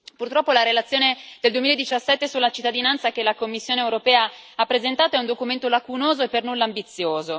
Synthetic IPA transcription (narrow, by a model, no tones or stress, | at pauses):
purt̪ɾɔpːolaɾelat̪sːjoːned̪eld̪uemiled̪ːit͡ʃasːɛt̪ːesulːat͡ʃit̪ːad̪inant̪sak̟elakomːisːjoːneewɾopɛːa | apːɾezent̪aːt̪oɛund̪okument̪olakunoːzoepːernulːaːmbit̪sːjoːzo